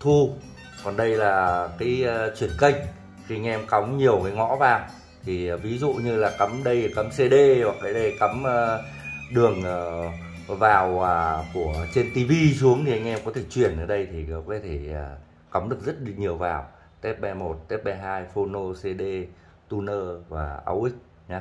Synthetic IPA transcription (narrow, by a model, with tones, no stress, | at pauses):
t̪ʰu˧ | kɔ˨˩nɗə˧jlaː˨˩kaː˨˦jt͡ɕwi˧˩ənkə˧jŋ̟ | xi˧a˧jŋ̟ʔɛ˧mka˨˦wŋ͡mɲi˨˩əwkaː˨˦jŋɔ̰˧˥vaː˧˨˩w | t̪ʰi˨˩vi˨˦zṵ˧˨ɲɨ˧laː˨˩kə˨˦mɗə˧jkə˨˦mse˧ɗe˧vwaː˨˩kːaː˨˦jɗə˧˩jkə˨˦mː˧ | ɗɨ˨˩əŋə˨˩ | vaː˨˩wə˨˩ku˧˩ət͡ɕe˧nt̪i˧vi˧su˨˦əŋt̪ʰi˨˩ʔa˧jŋ̟ʔɛ˧mkɔ˨˦t̪ʰe˧˩t͡ɕwi˨˩ənʔəː˧˩ɗə˧jt̪ʰi˨˩ɔ˨˦kɔ˨˦t̪ʰe˧˩a˨˩ | ka˨˦wŋ͡mɗɨ˨˩ək̚zə˦˥t̚ɗk̚ɲi˨˩əwva̰ː˨˩w | t̪ɛ˦˥p̚ɓɛ˧mo˨˩t̚t̪ɛ˦˥p̚ɓɛ˧ɦaː˧jfo˧no˧se˧ɗe˧ | t̪u˧nəː˧vaː˨˩ʔa̰˧wʔï˦˥k̟̚ | ɲa˨˦